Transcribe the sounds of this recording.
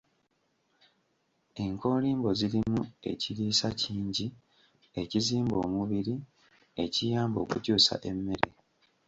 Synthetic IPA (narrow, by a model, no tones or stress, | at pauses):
e̞ŋko̞ːliːmbo̞zilimue̞̰ciliːsaciːɲɟi | e̞ciziːmbo̞̰ːmuβiɾi | e̞cijaːmbo̞̰ːkucuːsa̰ʔe̞mːe̞ɾe̞